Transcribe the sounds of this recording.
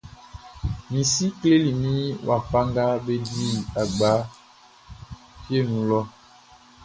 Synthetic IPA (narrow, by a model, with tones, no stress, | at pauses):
mĩ˨si˦kle˦li˨mĩ˦wʔa˨fa˦ŋɡa˦be˦di˦a˨ɡ͡ba˨˦ | pje˦˨nũ˨lɔ˦